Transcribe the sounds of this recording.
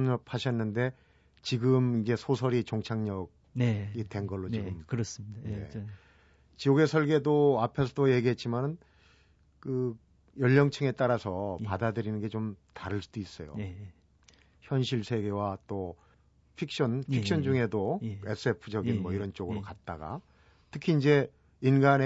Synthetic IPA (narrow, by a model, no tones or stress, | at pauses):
ɲʌp̚ʰhaɕʰʌnːɯnde̞ | t͡ɕiɡɯmind͡ʑe̞sʰosʰʌɾit͡ɕoŋt͡ɕʰaŋɲʌɡ̚ | it͈e̞nɡʌɭːot͡ɕiɡɯmkɾsne̞̰ | t͡ɕijoɡe̞sʰʌɭɡe̞doapʰe̞sʰʌdoje̞ɡiɦe̞t̚t͡ɕ͈imanɯn | kɯ | jʌʎːʌŋt͡ɕʰɯŋe̞t͈aɾasʰʌpadadɯɾinɯnɡe̞t͡ɕomtaɾɯɭs͈ud̥ois͈ʌjo̰ | çjʌnɕʰiɭsʰe̞ɡe̞wat͈o | pʰik̚ɕ͈ʌnpʰik̚ɕ͈ʰʌnd͡ʑuŋe̞doe̞s͈ʰɯe̞pʰɯd͡ʑʌɡinmwʌiɾʌnt͡ɕ͈oɡɯɾokat̚t͈aɡa̰ | tʰɯkʰiːnd͡ʑe̞ | inɡane